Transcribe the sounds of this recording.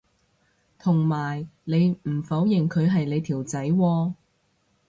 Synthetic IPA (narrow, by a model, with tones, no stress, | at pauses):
t̪ʰʊ˨˩ŋmaː˨˩jle˨˧jm̩˨˩fɐ˨˥wjɪ˨˩ŋkʰɵ˨˧ɥɦɐ˨jle˨˧jt̪ʰiː˨˩wt͡sɐ˨˥jwɔː˧